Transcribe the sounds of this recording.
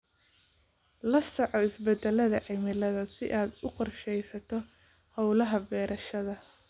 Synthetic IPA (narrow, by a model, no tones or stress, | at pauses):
lɐsɔʕɔɪsbɛd̪ɛlɐðɐʕɪmɪlɐðɐsɪʔaːd̪ʊqɔrʃɛjsɐt̪ʰɔ | hɔwlɐɦɐbɛːɾɐʃɐðɐ